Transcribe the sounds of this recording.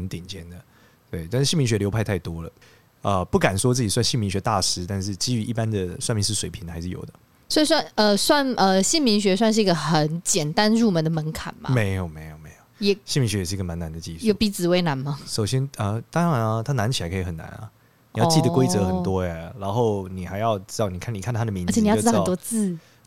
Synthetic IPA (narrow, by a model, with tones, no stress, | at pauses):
ə˧˦nt̪i˨˩nt͡ɕjɛ˥nd̪ə˨ | t̪we˥˩ɪt̪a˥˧ʂ̩˥˩ɕi˥˨mi˧˥ɕɥɛ˧˥ljo˧˥pʰa˥˧ɪt̪ʰa˥˩ɪt̪wɔ˥lə˨ | ə˧pu˥˩ka˨˩nswɔ˥t͡sɹ̩˥˩t͡ɕi˨˩swa˥˧nɕi˥˩nmi˧ŋɕɥɛ˧t̪a˥˨ʂɻ̩˥t̪a˥˧nʂɻ̩˥˩t͡ɕi˥y˧˥ʔḭ˥˩pa˦nd̪ə˨swa˥˧nmi˧˥ŋʂ̬ɻ̩˥˩ʂwe˨˩ɪpʰi˧˥˦ŋxa˧˥ɪʂɻ̩˥˩jo˨˩ʊd̪ə̰˦ | swɔ˧˥i˨˩swa˥˧nə˧swa˥˧nə˧ɕi˥˩nmi˧˥ŋɕ̬ɥɛ˧˥swa˥˧nʂɻ̩˥˩i˧˥ɡə˧xə˨˦nt͡ɕjɛ˨˩nt̪a˦nɻu˥˩mə˧˦nd̪ə˨mə˧˥nkʰa̰˨˩nma̰˦me˧˥ɪjo˨˩ʊme˧˥ɪjo˨˩ʊme˧˥ɪjo˨˩ʊjɛ˨˩ɕi˥˩nmi˧˥ŋɕɥɛ˧˥jʂɻ̩˥˧ɡə˨ma˨˦na˨˦nd̪ə˨t͡ɕi˥˧ʂjo˧˥pi˧˥˩t͡sɹ̩˨we˧˥ɪna˧˥nma˧˩ʂo˨˩ʊɕjɛ˥nə˧t̪ɑ˥˧n˧t̪ʰa˥na˧˥nt͡ɕʰi˨la˧˥kʰɤ˧˩xə˨˩na̰˧˦nɐ̰˦ | ni˨jɑ˥˧t͡ɕi˥˩ʊd̪əkwe˥ɪt͡sɤ˧˦xə˨˩nt̪wɔ˦˥a˨ɻa˧˥nxo˥˩ʊni˨˩xa˧˥ɪjɑ˥˧ʊʈ͡ʂɻ̩˥t̪ɑ˥˩ʊni˨kʰa˥˩ni˨kʰa˥˩n˧t̪ʰa˥d̪ə˨mi˧˥n˧t͡ɕʰi˨˥˧t̪wɔ˥t͡sɹ̩˥˩